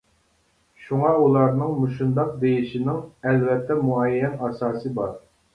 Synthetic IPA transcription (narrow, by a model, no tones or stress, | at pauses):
ʃuŋɑulˠɑɾnɨŋmuʃund̪ɑq̚d̪ejiʃinɪŋɛlvɛt̪ʰːɛmuɑjjɛnɑsɑːsɨbɑɾ